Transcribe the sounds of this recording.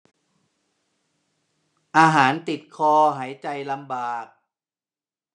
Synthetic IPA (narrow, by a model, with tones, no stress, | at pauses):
ʔaː˧ɦaː˩˦nt̪i˨˩t̪̚kʰɔː˧ɦaː˩˦jt͡ɕa˨jla˧mbaː˨˩k̚